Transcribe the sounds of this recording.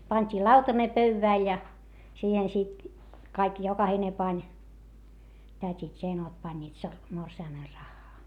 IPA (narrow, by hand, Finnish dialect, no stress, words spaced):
pɑnʲtʲiː lɑutɑne pøywʋæˑl jɑ siːhen sit kɑik jokɑhine pɑnʲ tætʲit jɑ enot pɑnʲːiːt sor morsiɑmer rɑxːɑː